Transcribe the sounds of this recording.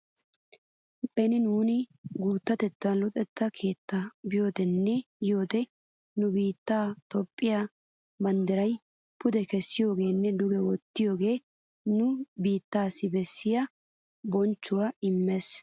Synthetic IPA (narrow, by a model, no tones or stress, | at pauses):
pʼɛnɪnuːnɪɡuːt̪ːɐt̪ɛt̪ːɐnlɔt̪ʼɛt̪ːɐkʰe̞ːt̪ːɐbɪjo̞ːt̪ɛnːɛjo̞ːt̪ɛ | nʊbiːt̪ːaːt̪ɔpʼːɪja | bɐnd̪ɛɾɐj | pʊd̪ɛkɛsːɪjo̞ːɡe̞ːnːɛd̪ʊɡɛwɔt̪ːɪjo̞ːɡe̞ː | nʊbiːt̪ːaːsɪbɛsːɪjaɐ | bɔnt͡ʃːʊwaːɪmːɛs